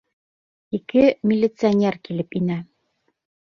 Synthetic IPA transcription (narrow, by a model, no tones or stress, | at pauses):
ikɘmʲɪlʲːɪt̪sɨanʲerkilɘpinæ